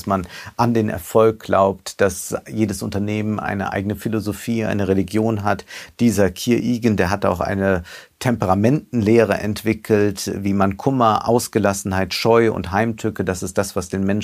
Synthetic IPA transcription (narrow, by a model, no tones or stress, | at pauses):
smanʔandeːnʔɛ̰ɐfɔlk̚ɡ̥la̰ʊptd̥asjeːdəsʊntɐneːmənʔa̰ɪnə̰ʔa̰ɪɡənəfilozofiːʔa̰ɪnəʁeliɡjoːnɦatd̥iːzɐkʰiːɐʔiːɡn̩deːɐɦata̰ʊxʔa̰ɪnətʰɛmpəʁamɛntn̩leːʁ̞əʔɛ̰ntv̥ɪkʰl̩tviːmankʰʊmɐʔa̰ʊsɡ̥əlasn̩haɪtʃɔʏʊ̰ntɦaɪmtʰʏkəd̥asɪstd̥asv̥asd̥eːnmɛn